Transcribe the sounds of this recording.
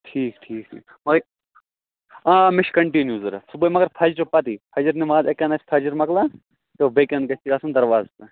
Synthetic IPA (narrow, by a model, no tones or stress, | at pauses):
ʈʰiːkʈʰiːk̚ʈʰḭːkmɐɡɾ | ãmɪʃkɐɳʈinjuzɐɾɐsubɐmɐɡɐɾpʰɐd͡ʒɾopɐt̪ipʰɐd͡ʒɐɾnimaːzekɐnɐt͡ʃʰpʰɐd͡ʒɐɾmɐkla | t̪obekɐnkɐt͡ʃʰikaːsɐnd̪ɐɾʋaːzt̪ɐ